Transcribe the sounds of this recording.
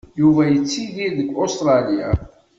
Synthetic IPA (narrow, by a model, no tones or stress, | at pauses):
juvæjət͡sːiðiðəɡːost̪ɾˤɑlia